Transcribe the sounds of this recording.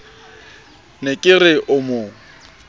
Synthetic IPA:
nekʼɪrɪʔʊmʊːŋ̩

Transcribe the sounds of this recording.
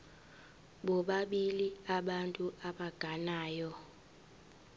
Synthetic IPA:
ɓɔɓaɓiliaɓantʼuʔaɓaɡ̥ʱanaːjɔ

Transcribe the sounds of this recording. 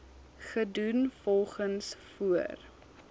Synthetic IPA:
χədunfɔlˠχənsfuər

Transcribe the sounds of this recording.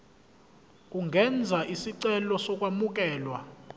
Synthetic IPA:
kʼuŋʱɛnd͡zʱaʔisiǀɛlɔsɔk̬ʼwamuk̬ʼɛːlwa

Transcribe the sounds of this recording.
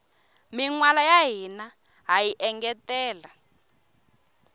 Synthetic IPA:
miŋwalajaɦina | ɦajiʔɛŋɡɛtɛːla

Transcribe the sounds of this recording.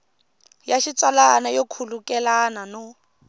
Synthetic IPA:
jaʃit͡sʼalanajokʰulukʼɛlananɔ

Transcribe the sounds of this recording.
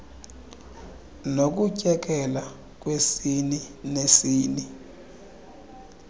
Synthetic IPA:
nok̬ucʼɛk̬ʼɛla | k̬ʼwesininesiːni

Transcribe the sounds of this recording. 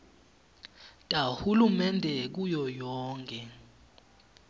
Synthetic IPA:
tʼahulumɛndʱɛk̬ujɔjɔːŋkʼɛ

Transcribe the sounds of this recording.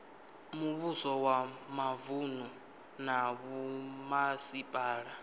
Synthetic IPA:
muβusɔwamavunu | naβumasipʼaːɺa

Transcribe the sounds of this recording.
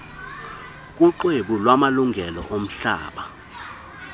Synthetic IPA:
k̬ʼuǃweɓulwamaluŋʱɛlɔ̰ʔom̩ɬa̰ːɓa

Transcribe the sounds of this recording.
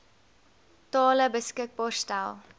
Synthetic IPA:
tɑːləbəskək̚bɑːrstælˠ

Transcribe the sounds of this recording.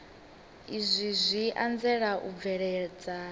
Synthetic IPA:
izʷizʷiʔand͡zɛɺaʔṵb̪vɛɺɛd͡za

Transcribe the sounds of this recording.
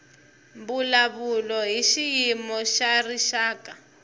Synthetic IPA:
mbulaβulɔɦiʃijimɔʃariʃaːkʼa

